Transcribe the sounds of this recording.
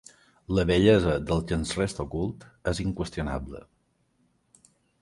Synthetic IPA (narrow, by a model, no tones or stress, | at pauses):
ləβəʎɛzəðəlˠkənszrest̪okulˠt̪ɛziŋkwəst̪juna̰blə̰